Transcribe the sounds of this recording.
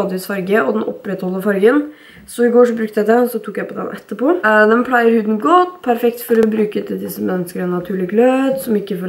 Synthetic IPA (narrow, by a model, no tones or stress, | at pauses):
ɑːd̪ɪʋiːsfɑɾɡəʔɔd̪ɛnʔɔ̰pːɾɛt̪hɔlːəfɑɾɡən | sɔɪɡoːʂɔbɾʉk̚t̪əjæd̪ɛsɔt̪ʰuːkjæɪpɔd̪ɛ̰nʔɛ̰t̪ːəpod̪ɛnpʰlæɪəɾhʉːd̪n̩ɡɔt̪ːpʰæɾfɛk̚t̪fɔɾɔbɾʉːkəɛt̪ʰːəd̪ɪsːəmɛnːəskəɾɛnːɑt̪ʰʉːɭɪɡlød̪sɔmɪkːəfɔ